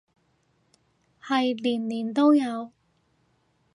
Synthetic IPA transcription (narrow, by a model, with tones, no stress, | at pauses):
hɐ˨jliː˨˩nliː˨˩nt̪o˥wjɐ˨˧w